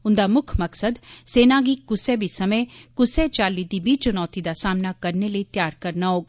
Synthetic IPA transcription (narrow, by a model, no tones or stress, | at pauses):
ʊnd̪amʊkʰmɐksəd̪seːnaɡikʊsebʱisɐməkʊset͡ʃaːlid̪ibʱit͡ʃʊnɔːt̪id̪asaːmnakɐɾneləit̪jaːɾkɐɾnaɦoːɡ